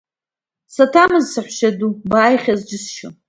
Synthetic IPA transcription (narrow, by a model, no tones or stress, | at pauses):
satʰamɨzsɨħʷʃadubaːjχʲazd͡ʒɪsʃʊ